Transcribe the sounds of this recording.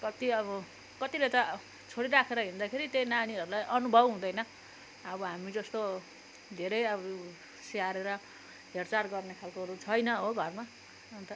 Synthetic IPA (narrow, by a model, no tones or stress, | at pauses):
kʌt̪iʌβʌ | kʌt̪ilet̪ʌ | t͡sʰoɽiɾakʰeɾʌɦĩnd̪akʰeɾit̪jejnañiʌɾulajʔʌnubʱʌbɦũd̪ʌjnʌ | ʌbʌɦamid͡zʌst̪o | d̪ʱeɾʌjʌb | seaɾeɾʌ | ɦert͡sarɡʌrnekʰalkoɦʌɾut͡sʰʌjnʌɦoɡʱʌrma | nt̪ʌ